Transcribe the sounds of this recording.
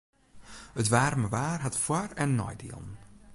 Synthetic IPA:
ətʋaːrməʋaːrɦatfwarɛnːɔ̰jdḭːlˠən

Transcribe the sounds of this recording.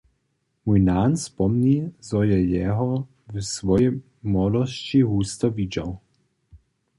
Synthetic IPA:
mujnaːnspɔmnʲizɔjɛjɛɦɔ | vsʋɔjɛ | mɔlɔst͡ɕiɣust̪ɔvid͡ʑaw

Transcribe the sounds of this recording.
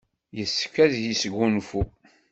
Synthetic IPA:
jəsːkːæðjisəɡːunfu

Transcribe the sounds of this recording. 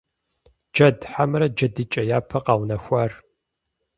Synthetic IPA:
d͡ʒɐdħamɾɐd͡ʒɐdɨt͡ʃʼɐjaːpʰɐqɑːwnɐxʷɐr

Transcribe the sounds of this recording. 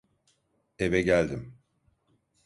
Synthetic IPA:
evɛɟælʲd̪im

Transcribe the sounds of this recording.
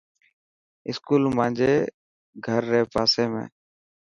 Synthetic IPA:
ɪskuːlmãːnd͡ʒeː | ɡʱəɾːeːpaːseːmḛ̃ː

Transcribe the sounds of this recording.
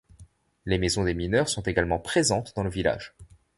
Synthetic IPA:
lemezɔ̃d̪eminœʁsɔ̃t̪eɡalmɑ̃pχezɑ̃t̪d̪ɑ̃ləvila̰ːʒ

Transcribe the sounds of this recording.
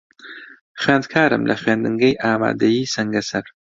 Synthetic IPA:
xɥeːnd̪̚kʰaːɾɨ̰mlʔɐ̰xɥeːnd̪ɨŋɡɐjʔaːma̰ːd̪ɐjiːsɐŋɡɐsɐɾ

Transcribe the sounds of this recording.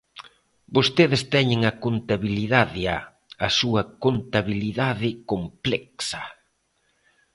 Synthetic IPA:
bost̪eðɪst̪ɛɲɪŋɐkont̪aβiliðaðɪa | ɐsuɐkont̪aβiliðaðɪkomplɛksɐ̥

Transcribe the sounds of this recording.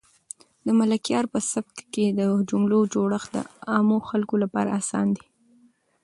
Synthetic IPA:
d̪əmalakjɑɾpəsab̚kked̪əd͡ʒʊmlod͡ʒoɽəxd̪ə̰ɑmoxalkolapɑ̰ɾa̰ːsɑ̰nd̪i

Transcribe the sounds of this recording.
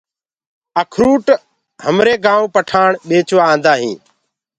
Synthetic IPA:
əkʰɾuːʈ | həmɾeːɡaːõːpəʈʰaːɳɓeːt͡ʃʋãːnd̪aːɦḭ̃ː

